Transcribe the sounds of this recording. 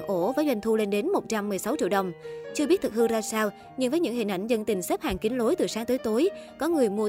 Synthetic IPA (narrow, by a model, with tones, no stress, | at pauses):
ŋʔo˧˩vaː˨˦jzwa˧jŋ̟t̪ʰu˧le˧nɗe˨˦nmo˨˩t̚t͡ɕa˧mːɨ˨˩əjsa˨˦wt͡ɕḭ˧˨ɗə˨˩wŋ͡mt͡ɕɨ˧əɓi˦˥t̚t̪ʰɨ˨˩k̚hɨ˧zaː˧saː˧w | ɲɨ˧nvəː˨˦jɲɨ̰˧˥ŋhï˨˩nʔa̰˧˩jŋ̟zə˧ŋt̪ï˨˩ŋ̟se˦˥p̚haː˨˩ŋki˨˦n̟lo˨˦jt̪ɨ˨˩saː˨˦ŋt̪oː˨˦jt̪o˨˦jkɔ˨˦ŋɨ˨˩əjmu˧ə˧